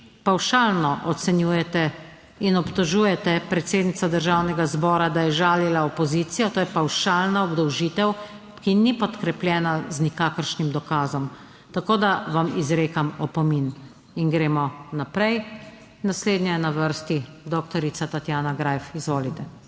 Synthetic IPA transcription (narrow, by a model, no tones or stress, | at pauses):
pawʃaːlnɔʔɔt̪sɛnjuːjɛt̪ɛ | inɔpt̪ɔʒuːjɛt̪ɛpɾɛt̪seːd̪nit̪sad̪əɾʒawnɛɡazbɔːɾad̪ajɛʒaːlilaɔpɔziːt̪sijɔt̪oːjɛpawʃaːlnaɔbd̪ɔwʒiːt̪ɛw | kinipɔt̪kɾɛplʲjɛːnaznikaːkəɾʃnimd̪ɔkaːzɔm | t̪akoːd̪aʋamizɾeːkamɔpɔmin | iŋɡɾeːmɔnapɾɛj | nasleːd̪nɲɛjɛnaʋəɾst̪id̪ɔkt̪ɔɾit̪sat̪at̪jaːnaɡɾaːjfizʋoːlit̪ɛ